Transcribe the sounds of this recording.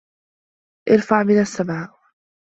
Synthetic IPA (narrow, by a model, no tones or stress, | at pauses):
ʔɪɾfaʕmɪnasːabʕaʔ